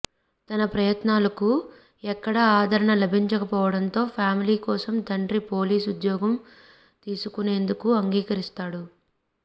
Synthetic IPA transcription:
t̪ɐnɐpɾɐjɐt̪naːlɐku | ɛkːɐɽɐaːd̪ʱɐɾɐɳɐlɐbʱiɲt͡ʃɐkɐpɔːʋɐɽɐnt̪o̞ːpʰjaːmiliːkɔːsɐmd̪ʱɐɳʈɾipo̞ːliːsud̪jɔːɡɐm | t̪iːsukune̞ːnd̪ukuɐŋɡiːkɐɾist̪aːɽu

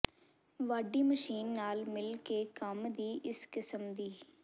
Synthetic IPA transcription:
ʋaːɖiːməʃiːnːaːlmɪlkeːkəmd̪iːʔɪskɪsəmd̪iː

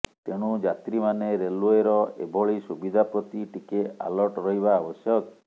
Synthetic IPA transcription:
t̪eɽ̃ud͡ʒat̪ɾimaneɾelueɾɔḛbʱɔɭisubid̪ʱapɾɔt̪iʈikea̰lɔʈɾɔɦibaːbɔsjɔk

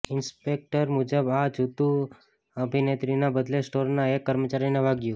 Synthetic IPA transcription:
ɪnspek̚ʈəɾmud͡ʒəbad͡ʒʱut̪ũ | əbʱinet̪ɾinabəd̪lesʈoɾnaekːəɾmət͡ʃaɾineʋaɡjũ

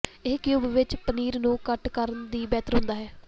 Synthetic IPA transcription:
eːkjuːbʋɪt͡ʃpəniːɾnũːkəʈkəɾənd̪iːbɛːt̪əɾɦʊ̃nd̪aːɦɛː

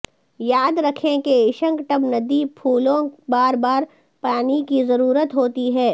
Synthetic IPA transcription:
jaːd̪ɾɐkʰẽkeɪʃə̃ŋkʈɐbnɐd̪ipʰuːlõbaːɾbaːɾ | paːnikizɐɾuːɾət̪ɦoːt̪iɦɛː

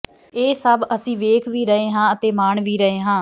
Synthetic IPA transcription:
eːsəbəsĩːʋeːkʰʋiːɾəɦeːɦãːət̪eːmaːɳʋiːɾəɦeːɦãː

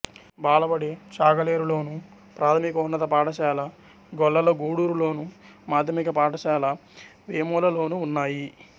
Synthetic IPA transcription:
baːlɐbɐɽit͡ʃaːɡɐleːɾuloːnu | pɾaːt̪ʰɐmikɐunːɐt̪ɐpaːʈɐʃɛːlɐ | ɡɔɭːɐloːɡuːɽuːɾulo̞ːnumaːd̪ʱjɐmikɐpaːʈɐʃɛːlɐʋeːmɔːlɐlo̞ːnuːnːaːji

